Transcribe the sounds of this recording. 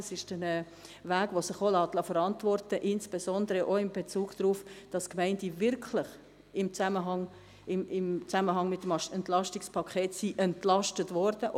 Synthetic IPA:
sɪʃd̥ɛnɛ | væːɡ̥ʋosɪχolɑːtlɑfəɾɑntvɔrtəʔɪnsb̥esɔndəɾəʔoɪmbet͡suːɡ̥d̥ɾuːfd̥ɑskmɛɪndivɪɾkʰlɪχ | ɪmt͡saməɦɑŋ | ɪmɪmt͡saməɦɑŋmɪtːmɛntlɑʃtɪkspʰɑkʰχeːtsiʔɛntlɑʃtətvɔɾd̥ə

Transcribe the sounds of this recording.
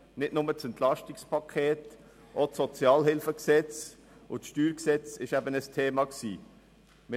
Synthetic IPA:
nɪdnʊmət͡sɛnt̪lɑʃtɪkspʰɑkʰeːt | ʔot͡sːɔt͡sjɑːlɦɪlfəksɛt͡s | ʊt͡sʃtyːɾksɛt͡sɪʃæbənəstʰeːmɑksḭː | mə

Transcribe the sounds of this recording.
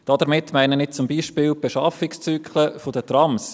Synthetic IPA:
d̥ɑd̪əmɪtːmæɪnənɪt͡sʊmbiːʃpɪːlb̥eʃɑfɪkst͡syːkʰχləfodət̪rɑms

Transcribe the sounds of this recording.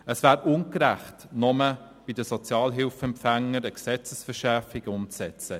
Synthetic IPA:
əsvæːɾʊnkɾæχtnɔmə | b̥idəsɔt͡sjɑːlɦɪlfɛmpfæŋəɾəksɛt͡səsfəʃɛɾfiɡʊmt͡sɛt͡sə

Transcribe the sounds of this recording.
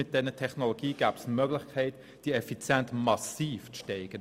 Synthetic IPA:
ɪt̚d̥ɛnətʰɛχnoloɡ̥iːɡ̥æːb̥smœɡlɪχkʰɛɪt | d̥iəɛfit͡sjɛntmɑsiːft͡sʃtɛɪɡ̥ən

